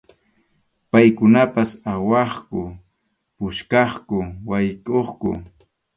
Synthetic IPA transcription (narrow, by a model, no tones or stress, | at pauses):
pajkʊnapasawɑχkʊ | pʊʃkɑχkʊwajkoχkʊ̰